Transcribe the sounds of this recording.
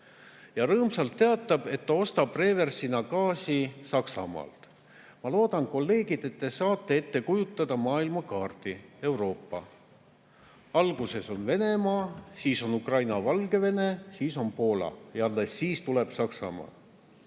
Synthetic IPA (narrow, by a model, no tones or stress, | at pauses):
jɑɾɤːmsɑlt̪ːe̞ɑt̪ːˑɑb̥e̞t̪ːɑo̞st̪ɑpre̞ːve̞rsinɑkɑːsisɑksɑ̰mɑ̰ːlt̪ | mɑlo̞ːd̪̥ɑnko̞lːe̞ːɡ̥id̪̥e̞t̪ːesɑːt̪ːˑe̞e̞t̪ːe̞kujut̪ːˑɑd̪̥ɑmɑːilmɑkɑːrt̪ie̞wɾo̞ːpːɑ̰ | ɑlɡ̥use̞so̞nve̞ne̞mɑːsiːso̞nukrɑjnɑvɑlɡe̞ve̞ne̞siːso̞npo̞ːlɑ̰jɑɑlːesːiːst̪ule̞b̥sɑksɑ̰mɑ̰ː